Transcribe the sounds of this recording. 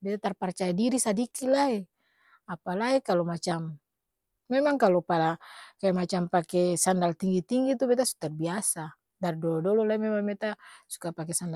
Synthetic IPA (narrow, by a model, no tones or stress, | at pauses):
bɛt̪at̪arpart͡ʃajadiɾisadikilai | apalaikalɔmat͡ʃam | mɛmaŋkalɔpalakajamat͡ʃampakɛsandalt̪iŋɡit̪iŋɡit̪ubɛt̪asu̥t̪arbiasa | dardɔlɔdɔlɔlaimɛmaŋbɛt̪asu̥kapakɛsanda